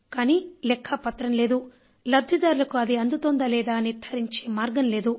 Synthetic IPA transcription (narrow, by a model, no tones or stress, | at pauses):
kaːniːlɛkʰːɐpɐt̪ɾɐmleːd̪u | lɐb̚d̪ʱid̪aːɾulɐkuɐd̪iɐnd̪ut̪ond̪ɐlɛːd̪aːniɾt̪ʰɐɾiɲt͡ʃeːmaːɾɡɐnleːd̪u